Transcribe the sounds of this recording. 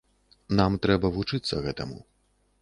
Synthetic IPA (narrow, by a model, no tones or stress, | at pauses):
namt̪ɾɛbɐvut͡ʂɨt̪sːɐɣɛt̪ɐ̰mṵ